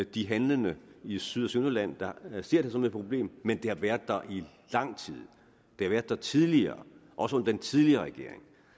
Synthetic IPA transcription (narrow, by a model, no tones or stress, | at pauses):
d̥iɦænlənəisyð̰ˠɒsynolæn̰d̥ɑ̈se̝ɐ̰d̥esɒ̽me̝̥pʰʁo̝b̥le̝̰ːmmend̥e̝hɑ̈ʋæɐd̥̚d̥ɑʔi | lɑ̈ŋ̰t͡sʰið̰ˠ | d̥e̝hɑ̈ʋæɐd̥ɑt͡sʰið̞ˠliɐːʔɒ̽səɔ̽nɐd̥ent͡sʰiðˠliɐːʁɛɡ̥e̝ɐ̰e̝ŋ